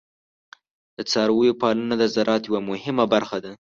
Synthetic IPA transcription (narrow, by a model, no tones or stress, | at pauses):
d̪̥ət͡sɑɾawəjopɑlanad̪əzaɾʔɑt̪jawamʊhɪmabaɾxad̪a